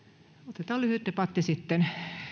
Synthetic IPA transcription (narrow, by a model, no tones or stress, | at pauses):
ot̪et̪ɑːlyhyˑt̪ːepɑt̪ːisit̪ːen